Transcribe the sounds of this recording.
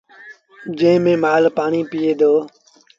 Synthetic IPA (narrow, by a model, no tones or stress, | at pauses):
d͡ʒẽːmẽːmaːlpaːɳiːpiːeːd̪oː